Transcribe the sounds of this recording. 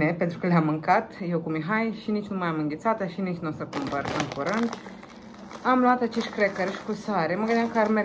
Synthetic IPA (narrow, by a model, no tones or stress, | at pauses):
epe̞nt̪ɾukəleamːɨŋkat̪jewkumiɦajʃinit͡ʃʲnumajamɨŋɡʲet̪sat̪aʃinit͡ʃʲnost̪əkumpəɾɨŋkuɾɨnd̪ | amluat̪at͡ʃeʃt̪̚ʲkɾekəɾʃi̥kusaɾeməɡɨnd̪jamkəarme